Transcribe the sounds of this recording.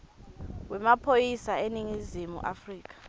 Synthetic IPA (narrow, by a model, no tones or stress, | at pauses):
wɛmapʰojisaeniŋizimṵʔa̰friːk̬ʰʼḁ